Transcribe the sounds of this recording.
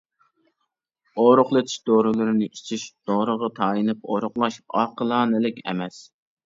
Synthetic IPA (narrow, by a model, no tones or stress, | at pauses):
oɾʊχlˠɨt̪ʰɪ̥ʃd̪oɾɨlˠɨɾɪnɪit͡ʃʰiʃd̪̥oɾəʁɑt̪ʰɑːjinɨp̚o̰ɾʊχlˠɑʃɑːqəlˠɑːnɨlɪkʲɛ̰mɛs